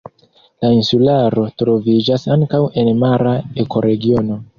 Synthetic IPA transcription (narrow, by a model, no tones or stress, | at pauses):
lainsulaɾo̞tɾo̞vid͡ʒasaŋkawe̞nmaɾae̞kʰo̞ɾe̞ɡio̞no̞